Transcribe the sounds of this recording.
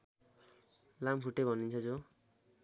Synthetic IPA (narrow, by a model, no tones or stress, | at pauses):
lampʰuʈːebʱʌnint͡sʰʌd͡zo